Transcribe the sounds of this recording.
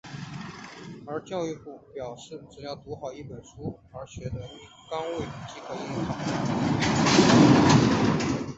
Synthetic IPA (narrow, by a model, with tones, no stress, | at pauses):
ə˞˧˥t͡ɕjɑ˥˧ʊy˥˧pu˥˩pjɑ˨˩ʊʂɻ̩˥˩ʈ͡ʂɻ̩˨˩jɑ˥˩ʊt̪u˧˥xɑ˨˩ʊi˥˩pə˨˩nʂu˥ | ə˞˧˥ɕɥɛ˧˥t̪ə˧˥y˨˩kɑ˥ŋwe˥˩ɪt͡ɕi˧˥kʰɤ˧˥i˥˩˧tʰɑ˨˩˦